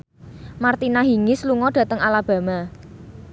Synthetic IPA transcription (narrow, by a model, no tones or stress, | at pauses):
mart̪inaɦiŋɪsluŋɔdɖ̥ä̤t̪əŋalab̥ä̤ma